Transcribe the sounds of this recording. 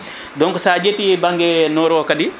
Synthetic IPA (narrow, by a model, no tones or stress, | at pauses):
dɔŋkusaːd͡ʒetibaŋɡenɔɾɔkadi